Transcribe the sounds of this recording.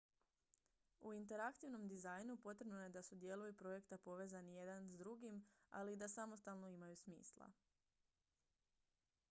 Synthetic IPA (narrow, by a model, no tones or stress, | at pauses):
uint̪e̞ɾakt̪iʋno̞md̪izajnupo̞t̪ɾe̞bnojed̪asud̪je̞lˠujupɾo̞je̞kt̪apo̞ʋe̞ːzanije̞d̪anzd̪ɾuɡima̰lid̪asamo̞st̪alˠno̞imajusmḭːslˠa̰